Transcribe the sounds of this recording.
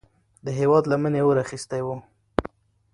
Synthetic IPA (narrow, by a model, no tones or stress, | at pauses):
d̪əɦewɑd̪lamənewoɾaxist̪ajwu